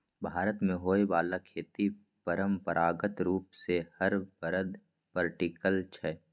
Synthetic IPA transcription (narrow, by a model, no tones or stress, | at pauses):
bʱaːɾət̪mẽɦoːebaːlakʰeːt̪i | pəɾəmpəɾʔaːɡət̪ɾuːpsehəɾbəɾəd̪ | pəɾʈikəlt͡ʃʰɛː